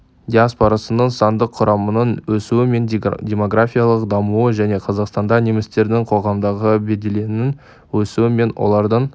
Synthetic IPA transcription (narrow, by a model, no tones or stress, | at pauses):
d̪ʲiaspoɾɑsənəɴsɑnd̪əqʰːʊɾɑmənənwɵsuwɪme̞ndʲe̞mo̞ɡrafʲijalˠəqd̪ɑmuwəʒæne̞qʰɑzɑqst̪ɑnd̪ɑnemɪst̪e̞ɾd̪ɪŋqʰo̞ʁɑmd̪ɑʁəbe̞d̪e̞le̞nɪn | wɵsuwɪme̞nwʔo̰lˠɑɾd̪əɴ